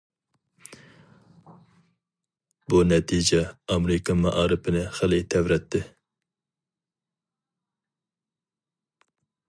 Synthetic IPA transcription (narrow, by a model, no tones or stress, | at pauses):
bunɛt̪ʰid͡ʒɛɑmɾɪkɑmɑʔɑːɾɨpʰɪnɪχəlˠɪt̪ʰɛwɾɛt̪ʰːɪ